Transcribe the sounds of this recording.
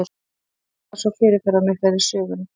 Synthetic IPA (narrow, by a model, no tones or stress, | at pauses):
sɔfɪɾɪɾ̥θɛɾːamɛθaɾɪ̥sœːɣʏna